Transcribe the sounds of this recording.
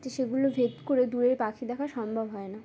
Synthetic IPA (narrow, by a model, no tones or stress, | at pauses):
t͡ɕeʃeɡulobʱed̪koɾed̪uɾeɾpakʰid̪ɛkʰaʃɔmbʱabɦɔena